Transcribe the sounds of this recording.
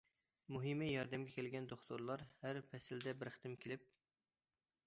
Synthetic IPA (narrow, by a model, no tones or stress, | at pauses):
muɦimɪjɑɾd̪ɛmɡʲɛkʲʰelɡʲɛnd̪oχt̪ʰoɾlˠɑɾhæɾpʰɛsɪld̪ɛbɪɾχə̥t̪ʰɪmkʲʰelɪp̚